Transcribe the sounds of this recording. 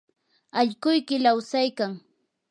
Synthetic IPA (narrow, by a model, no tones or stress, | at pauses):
aʎkʊjkɪlawsajkaŋ